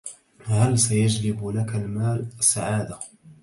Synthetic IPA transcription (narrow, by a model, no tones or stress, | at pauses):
halsajad͡ʒlɪblakalmaːlasːaʕaːd̪a